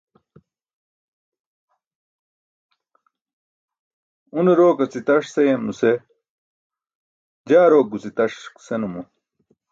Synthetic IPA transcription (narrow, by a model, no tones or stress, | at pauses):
uneɾoːkɐt͡sit̪ɐʂsejemnuse | d͡ʑaːɾoːk̚ɡut͡sit̪ɐʂksenumu